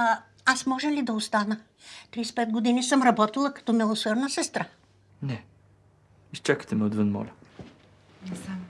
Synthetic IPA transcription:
asmɔʒɛlid̪ɐost̪anə | t̪ɾispɛd̪̚ɡod̪inisəmɾɐbɔt̪ilˠəkɐ̥t̪ɔmɛlˠosɛɾnəsɛst̪ɾa | nɛ | ist͡ʃakə̥t̪ɛmɛod̪vənmɔ̰lʲɐ

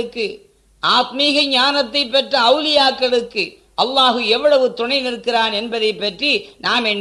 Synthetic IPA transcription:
ɯkːɯ | ʔaːt̪miːɣɐɲaːnɐt̪ːɐɪpːɐʈrɐɐʊlɪjaːkːɐɭɯkːɯ | ʔɐlːaːɣɯɛʋːɐɭɐʋɯt̪ʊɳɐɪnɪɾɯkːɪraːnɛnbɐðɐɪpːɐʈrinaːmɛnː

